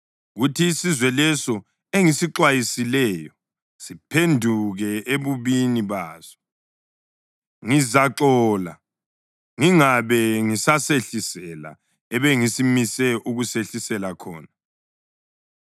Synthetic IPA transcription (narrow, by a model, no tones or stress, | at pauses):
ɣutʰiːsizwɛlɛsɔ | eŋisiǁwajisilɛjɔ | sipʰendʱuɣɛeβuβiniβaːzɔ | ŋizaǁɔːla̰ | ŋiŋaβɛŋisaseɬisɛla̰ | ɛβɛŋisimisɛʔuɣuseɬisɛlakʰɔ̰ːna